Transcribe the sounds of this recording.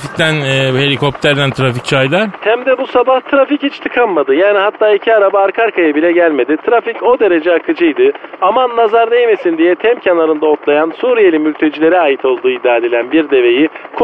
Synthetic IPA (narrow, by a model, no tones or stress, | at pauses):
fic̚t̪ʰænːhe̞lʲikʰo̞p̚t̪ʰæɾd̪ænt̪ʰɾafic̚t͡ʃʰajd̪ˠaɾhæmd̪ɛbusabaht̪ʰɾafichit͡ʃt̪ʰɯkʰanmad̪ɯjaːniɦat̪ʰːaːicʰiaɾabaːɾkʰaɾkajabilʲɛɟælʲme̞d̪it̪ʰɾafico̞d̪e̞ɾe̞d͡ʒɛakʰɯd͡ʒɯjd̪ɯamanlazaɾd̪ejme̞sind̪ijɛt̪ʰɛmcʰanˠaɾɯnd̪aot̪lˠajansuːɾije̞lʲinmylʲt̪ʰe̞d͡ʒilʲe̞ɾiaːjit̪ʰo̞lˠd̪uːid̪ːaːd̪e̞lʲænbiɾd̪e̞ve̞jikʰ